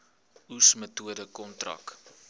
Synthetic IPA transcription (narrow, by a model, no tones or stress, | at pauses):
usmətuədəkɔntrɐ̰k